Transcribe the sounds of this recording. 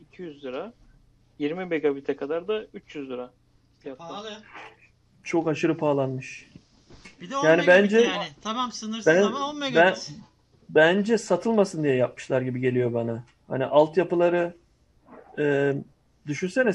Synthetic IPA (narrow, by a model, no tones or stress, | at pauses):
icʰijyzlˠɯɾa | jiɾmibeɡabit̪ʰɛkʰad̪aɾd̪ayt͡ʃjyzlɯɾa | jjap̪a | t͡ʃʰo̞kaʃɯɾɯpʰaːlˠanmɯʃ | jaːnibænd͡ʒɛ | sɯnɯbænbæn | bænd͡ʒɛsat̪ʰɯlˠmasɯnd̪ijɛjap̚mɯ̥ʃlˠaɾɟibiɟe̞lʲijo̞bana | ha̰niʔalˠt̪japɯlˠaɾɯ | d̪yʃynsenɛ